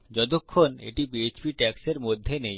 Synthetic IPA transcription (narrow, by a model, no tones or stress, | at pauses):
d͡ʑɔt̪̬okʰːonḛʈibiet͡ɕbiʈɛkseɾmod̪ʱːenej